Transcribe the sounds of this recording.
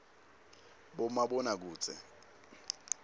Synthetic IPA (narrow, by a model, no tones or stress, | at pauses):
ɓɔmaɓɔnak̬uːt͡sʰʼɛ̰